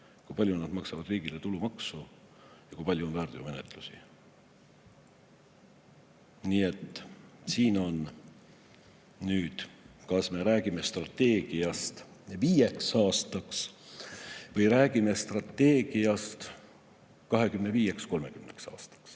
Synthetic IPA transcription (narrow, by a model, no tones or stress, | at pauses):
kujpɑlʲjunɑd̪mɑksɑvɑd̪̥riːɡ̥ile̞t̪ulumɑksu | jɑkujpɑlʲjuonvæːrd̪iome̞ne̞t̪ˑlusi | nie̞t̪ːsiːno̞n | nyːd̪̥kɑsme̞ɾæːɡime̞st̪rɑt̪ːe̞ːɡ̥iɑst̪viːje̞ksɑːst̪ɑks | vɤjɾæːɡ̥ime̞st̪rɑt̪ːe̞ːɡ̥iɑst̪ | kɑɦe̞kymne̞viːje̞ksko̞lme̞kymne̞̰ksɑ̰ːst̪ɑ̥ks